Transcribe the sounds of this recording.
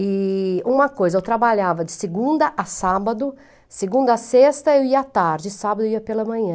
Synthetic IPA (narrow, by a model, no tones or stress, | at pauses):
ɪũmɐkojzɐewt̪ɾabaʎavɐd͡ʒɪseɡũd̪ɐʔasabɐd̪ʊ | seɡũnd̪ɐasest̪ɐewiɐat̪aɾd͡ʒɪsabɐd̪ʊeiɐpelɐmɐ̃ɲɐ̃